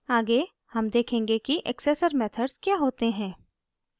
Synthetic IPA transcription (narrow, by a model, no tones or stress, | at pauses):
aːɡe | hɐmd̪eːkʰẽːŋɡekiʔɛ̰kseːsəɾmɛːt̪ʰəɖz̥kjaːɦoːt̪eɦɛ̃ː